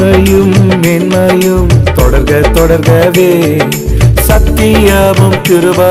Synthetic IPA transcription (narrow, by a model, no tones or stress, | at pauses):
ɐjɯmːeːnmɐjɯmt̪ɔɽɐɾɣɐɭt̪ɔɽɐɾɣɐʋeː | sɐt̪ːijɐʋɐmtɪɾɯʋaː